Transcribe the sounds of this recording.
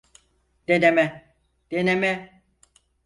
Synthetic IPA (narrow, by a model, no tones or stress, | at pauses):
d̪̥enemɛ | d̪̥enemɛ